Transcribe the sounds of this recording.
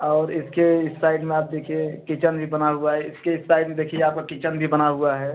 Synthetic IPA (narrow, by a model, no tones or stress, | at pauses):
ɔːɾɪskeɪssaɪɖmẽaːp̚d̪eːkʰiẽkit͡ʃənbʱibənaɦuaɦɛɪskeɪsaɪɖmẽd̪eːkʰieaːp̚kokit͡ʃənbʱibənaɦuaɦɛ